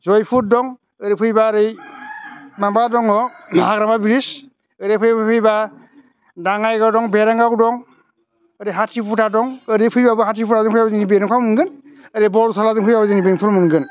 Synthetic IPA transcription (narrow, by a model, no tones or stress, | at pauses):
zɔjpʰut̚dɔŋ | ɯɾipʰɯjbaɾɯj | mambadɔŋɔaɡɾamabiɾis | ɯɾepʰɯjppʰɯjba | daŋajɡɔdɔŋbeɾaŋɡakdɔŋ | ɯɾɯɦatʰipʰutʰadɔŋɯɾɯpʰɯjbabɯɦatʰipʰutʰazɯŋpʰɯjabazinibenɔkʰawmɯnɡɯnɯɾɯbɔusʰalazɯŋpʰɯjbabazɯnibeŋtʰɔlmɯnɡɯn